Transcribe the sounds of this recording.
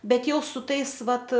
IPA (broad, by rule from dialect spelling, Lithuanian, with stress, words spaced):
ˈbʲɛt ˈjɛʊ sʊ ˈtɐɪs ˈʋɐt